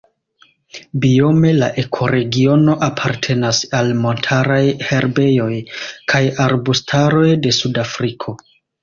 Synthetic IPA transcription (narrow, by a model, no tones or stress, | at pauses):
bio̞me̞la̰ʔe̞kʰo̞ɾe̞ɡio̞no̞ʔapʰaɾtʰe̞nasalmo̞ntʰaɾajhe̞ɾbe̞jo̞jkʰajaɾbustʰaɾo̞jde̞sudafɾikʰo̞